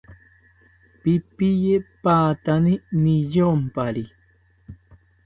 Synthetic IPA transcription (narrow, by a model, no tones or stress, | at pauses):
pipijepaːt̪aninijompaɾi